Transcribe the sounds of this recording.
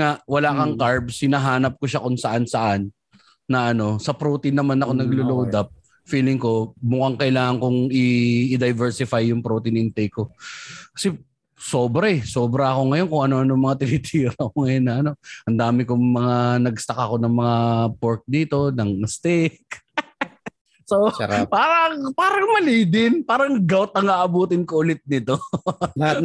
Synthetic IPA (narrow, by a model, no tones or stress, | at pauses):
ŋaʔwɐlaːkɐŋkaɹbshɪnɐɦaːnɐp̚koʃakʊŋsɐʔansɐʔanː | ɐʔɐno̞sɐpɾoːt̪ɪnːɐmanɐko̞nɐɡloloːd̪ap̚ | fiːlɪŋko̞mʊkaŋkɐʔɪlaːŋɐŋkʊŋɪɪd̪ɐjvɛɹsɪfajːʊŋpɾot̪ɪnɪnt̪ɛjko̞kɐ̥sɛ | so̞ːbɾɐɛso̞ːbɾɐɐko̞ŋɐjo̞nkʊŋʔɐno̞ʔɐnomɐŋat̪ɪlɪt̪ʰijɐɾɐkoŋɐjonːɐʔɐno̞ʔɐnd̪aːmɪkʊŋmɐŋanɐɡst̪ɐkɐko̞nɐŋmɐŋapoɾk̚d̪iːt̪o̞nɐŋst̪ɪk | sopaːɾɐŋpaːɾɐŋmɐliːd̪ɪnpaːɾɐŋɡawt̪̚ɐŋaːʔɐbuːt̪ɪnkoʔʊlɪt̪̚nɪt̪o̞